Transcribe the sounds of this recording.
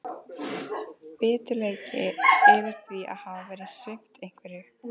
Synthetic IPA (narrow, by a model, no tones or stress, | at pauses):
pɪːt̪ʏleːjcɪɪːvɪɾ̥θvia̰ðhavavɛːɾɪðsvɪm̥t̪ejŋ̥kvɛɾɪ